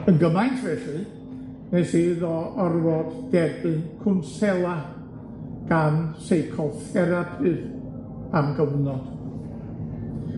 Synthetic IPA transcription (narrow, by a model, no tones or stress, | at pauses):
ənɡəmajntʰvɛɬɨ | nɛsiðɔɔrwɔd̥d̥ɛbɨnkʰʊnsɛlˠa | ɡ̥ansejkʰɔfɛɾapʰɨð | amɡəvnɔd̥